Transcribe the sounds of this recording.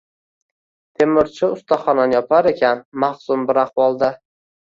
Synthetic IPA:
t̪ʰemɪɾt͡ʃʰɪʊst̪ʰaχɒnanjɒpʰaɾe̞kʲʰanmaχsʊmbɪɾahwɒlˠd̪a

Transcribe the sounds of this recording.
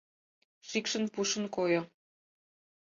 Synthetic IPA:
ʃikʃə̆npuʃə̆nkojo

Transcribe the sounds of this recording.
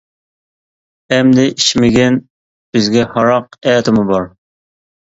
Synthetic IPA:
ɛmd̪ɪʔiʃmɪɡʲɛn | b̥ɪzɡʲɛhɑɾɑqɛːt̪ʰɪmubɑɾ

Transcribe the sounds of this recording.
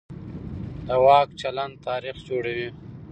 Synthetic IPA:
d̪əwɑːkt͡ʃaland̪̚t̪ɑːɾixd͡ʒoɽawi

